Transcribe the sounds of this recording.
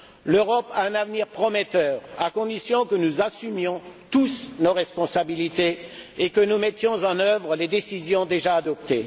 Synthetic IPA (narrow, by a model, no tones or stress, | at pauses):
løʁɔpaɛ̃navniʁpχɔmɛt̪œʁakɔ̃d̪isjɔ̃kənuzasymjɔ̃t̪usnoʁɛspɔ̃sabilit̪eekənumɛt̪jɔ̃zɑ̃nœvʁəled̪esizjɔ̃d̪eʒaːd̪ɔp̚t̪e